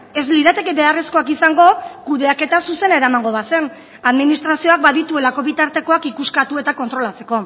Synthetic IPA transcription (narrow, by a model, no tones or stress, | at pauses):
e̞zliðat̪e̞keβe̞are̞sko̞akisaŋɡo̞kuðe̞ake̞t̪asuse̞ne̞ɾamaŋɡo̞βase̞n | aðminist̪ɾasio̞ak̚baðit̪ue̞lako̞βit̪aɾt̪e̞ko̞akikuskat̪ue̞t̪ako̞nt̪ɾo̞lat͡se̞̥ko̞